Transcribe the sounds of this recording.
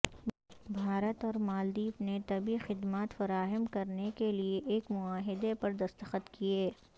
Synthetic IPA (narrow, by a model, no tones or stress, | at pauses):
bʱaːɾət̪ɔːɾmaːld̪iːpnet̪ɐbixɪd̪maːt̪fɐɾaːɦəmkɐɾnekelieʔeːkmʊaːɦɪd̪epɐɾd̪ɐst̪əxət̪kʰieː